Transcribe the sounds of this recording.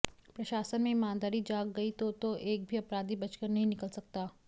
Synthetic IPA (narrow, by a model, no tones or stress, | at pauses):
pɾɐʃaːsənmẽɪmaːnd̪aːɾid͡ʒaːɡɡɐit̪ot̪oʔeːk̚bʱiɐpɾaːd̪ibɐt͡ʃkəɾnɐɦĩnɪkəlsɐk̚t̪aː